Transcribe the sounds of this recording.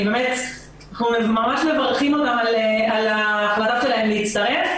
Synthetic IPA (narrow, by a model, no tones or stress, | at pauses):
bemet | naχnumemamaʃmevaʁχimot̪amalealaːχlataʃelaemleit͡st̪ɐʁe̞f